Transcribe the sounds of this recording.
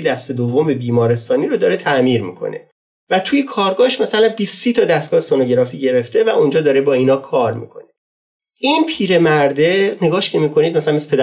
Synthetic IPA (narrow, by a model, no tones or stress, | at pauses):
d̪æst̪e̞d̪ovːo̞mbebiːmɒːɾe̞st̪ɒːniɾod̪ɒːɾe̞t̪ʰæʔmiːɾmḭkʰo̞̰nʔe̞̰ | væt̪ʰuːjekʰɒːɾɡɒːhʃmæsælænbiːsːiːt̪ʰɒd̪æst̪ɡɒːhesonoɟe̞ɾɒːfiːɟe̞ɾe̞ft̪e̞væʔund͡ʒɒːd̪ɒːɾe̞bɒːinɒːkʰɒːɾmḭːkʰo̞̰ne | iːnpʰiːɾe̞mæɾd̪e̞ne̞ɡɒːʃcʰe̞miːkʰo̞nid̪mæsælænmese̥pʰed̪